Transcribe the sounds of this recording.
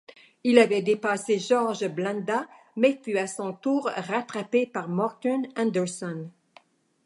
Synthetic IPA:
ilavɛd̪epaseʒɔʁʒblãnd̪a | mɛfyasɔ̃t̪uːʁːat̪χapepaʁmɔʁt̪ɔnãnd̪ɛʁsɔn

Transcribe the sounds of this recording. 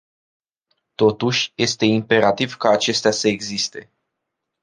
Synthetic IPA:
t̪o̞t̪uʃʲje̞st̪e̞impe̞ɾat̪ivkaːt͡ʃe̞st̪easəe̞ɡzist̪e̞̰

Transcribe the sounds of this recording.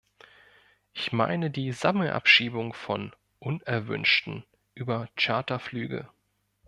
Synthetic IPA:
ʔɪçma̰ɪnədiːzaml̩ʔa̰pʃiːbʊŋfɔn | ʔʊnɛɐvʏ̰nʃtn̩ | ʔyːbɐt͡ʃaɐtɐflyːɡə̰

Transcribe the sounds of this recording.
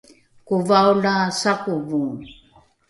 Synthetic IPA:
kuvaulasakuvun

